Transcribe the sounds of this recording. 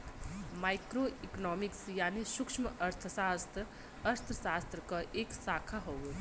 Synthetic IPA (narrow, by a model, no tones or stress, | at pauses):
maːɪkɾoiknɔːmɪksjaːniʃʊkʃməʔɐɾt̪ʰəsaːst̪ɾ | əɾt̪ʰəsaːst̪ɾəkaʔeːksaːkʰaɦoːɡe